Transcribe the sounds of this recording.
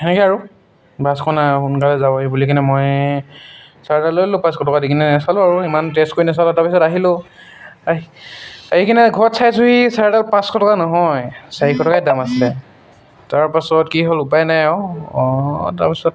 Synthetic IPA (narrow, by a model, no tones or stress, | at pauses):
enɛkɛaɹu | bʱaskʰɔnakunkalɛzabɔibulikʰanɛmɔj | saɹdalojlʊpãskɔtɔkadikinɛnɛsalʊ̃aɹuimantestkoɹinɛsalʊ̃taɹpisɔtaɦilʊ̃ | aɦikʰinɛɡʱɔtsajsuɦisaɹdalpãskɔtɔkanɔɦɔjsaɹikʰɔtɔkajdamasilɛ | taɹpasɔtkiɦolʊpajnajɔɔta̰ɹpisɔt̚